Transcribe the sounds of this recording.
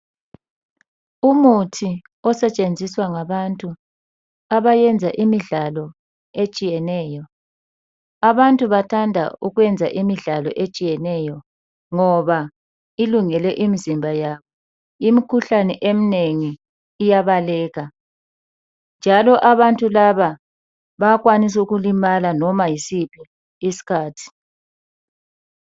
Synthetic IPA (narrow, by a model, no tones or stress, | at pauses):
umutʰi | ɔsɛt͡ʃʼend͡zʱiswaŋaβantʼu | aβajɛnd͡zʱaʔimiɮalɔ | et͡ʃʼijɛnɛjɔ | aβantʼuβatʰandʱa̰uɣwɛnd͡zʱaʔimiɮalɔ̰ʔet͡ʃʼijɛnɛjɔ | ŋɔβa | iluŋɛlɛʔimizimbʱajaβɔ | imikʰuɬanɛʔemineŋiː | jaβalɛːɣa | nd͡ʒʱalɔʔaβantʼulaβa | βaɣwanis̬ɛuɣulimalanɔmajisipʰi | isi̥kʰaːtʰi̥